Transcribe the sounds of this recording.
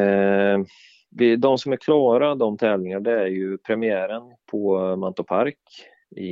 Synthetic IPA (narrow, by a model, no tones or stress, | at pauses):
vɪd̪ɔmsɔmæɾkʰlɑːɾad̪ɔmt̪ʰɛːvlɪŋaɖɛæɾjɵpʰɾɛmɪæːɾənpʰɔmant̪ʊpʰaɾk | ɪ̰